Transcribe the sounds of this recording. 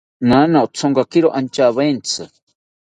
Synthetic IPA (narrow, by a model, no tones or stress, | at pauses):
nanaʔt͡sʰoŋɡakiɾoʔant͡ʃaβent͡sʰɨ